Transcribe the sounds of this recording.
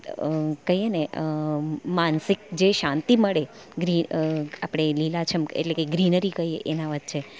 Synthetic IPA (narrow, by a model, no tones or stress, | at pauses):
kəjeneəmansɪk̚d͡ʒeʃãnt̪iməɭe | ɡɾiapɽ̃elilat͡ʃʰəmḛʈlekeɡɾinəɾikəjeʔenaʋət̪̚t͡ʃʰe